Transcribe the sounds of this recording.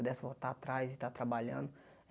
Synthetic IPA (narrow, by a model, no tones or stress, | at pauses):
d̪ɛsvot̪at̪ɾajzɪt̪at̪ɾabaʎɐ̃nd̪ʊ